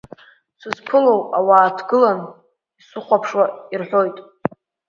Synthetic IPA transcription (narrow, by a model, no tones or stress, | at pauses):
sʰʷɨzpʰɨlowawaːtʰɡɨlan | isɨχʷapʰʂwairħʷᶣojtʼ